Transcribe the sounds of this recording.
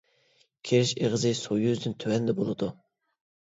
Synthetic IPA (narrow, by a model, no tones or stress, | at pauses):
kʲʰeɾɪʃeʁəzɨsojyzd̪ɪnt̪ʰøwɛnd̪ɛbolˠɨd̪u